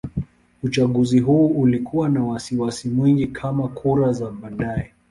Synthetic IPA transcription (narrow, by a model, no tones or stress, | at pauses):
ut͡ʃaɠuziɦuːulikʰuwanawasiwasimwiŋɡikʰamakʰuɾazaɓaɗaɛ